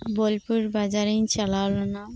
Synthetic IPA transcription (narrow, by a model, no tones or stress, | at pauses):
bolpuɾbad͡ʑaɾint͡ɕʰɛlalona